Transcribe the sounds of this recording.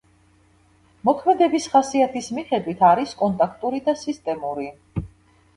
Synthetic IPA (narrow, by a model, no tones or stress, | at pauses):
mɔkʰmɛd̪ɛbisχasiat̪ʰismiχɛd̪wit̪ʰaɾiskʼɔnt̪ʼakʰt̪ʼuɾid̪asist̪ʼɛmuɾi